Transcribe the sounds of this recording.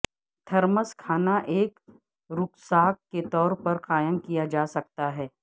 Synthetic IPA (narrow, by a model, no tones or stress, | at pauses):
t̪ʰɐɾməskʰaːnaʔeːk | ɾʊksaːkːet̪ɔːɾpɐɾqaːjəmkijad͡ʒaːsɐk̚t̪aɦɛː